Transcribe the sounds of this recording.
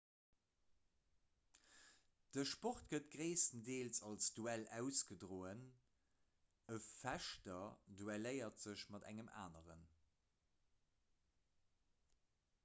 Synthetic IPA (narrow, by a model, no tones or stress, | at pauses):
d̥əʃpoχtɡ̥ət̚ɡ̥ʁeɪsəndeːlsɑlsd̥uælæʊsɡ̥ədʁoːən | əfæʃtɐduæləɪɐtz̥əɕmɑdæ̰ŋəma̰ːnəʁə̰n